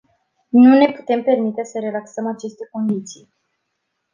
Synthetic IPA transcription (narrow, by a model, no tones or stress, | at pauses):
nune̞pu̥t̪e̞mpe̞rmit̪e̞səɾe̞laksəmat͡ʃe̞st̪e̞ko̞nd̪it̪sij